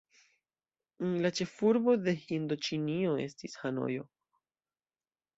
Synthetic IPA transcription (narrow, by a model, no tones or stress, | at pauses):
lat͡ʃe̞fuɾbo̞d̪e̞hind̪ot͡ʃinio̞e̞̰stishano̞̰jo̞